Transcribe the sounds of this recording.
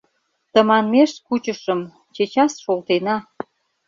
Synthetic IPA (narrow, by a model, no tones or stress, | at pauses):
t̪ə̆mɑnmeʃkut͡ɕəʃəm | t͡ɕet͡ɕɑsʃolt̪enɑ